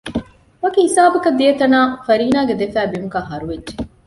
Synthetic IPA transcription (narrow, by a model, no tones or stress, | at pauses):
ʋɐkihisaːbɐkɐd̪ːijet̪ɐnaːfɐɾiːnaːɡed̪efæːbimukɐɦɐɾuʋedːʒe